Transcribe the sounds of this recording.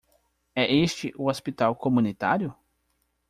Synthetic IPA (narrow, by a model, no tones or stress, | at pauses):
ɛʔest͡ʃɪʔʊospit̪awkomũnit̪aɾjʊ